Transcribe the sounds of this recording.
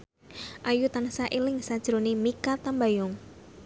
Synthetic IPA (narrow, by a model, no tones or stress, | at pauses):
ʔajut̪ansaʔilɪŋsad̥ʒ̥ɾonimikat̪ambajʊŋ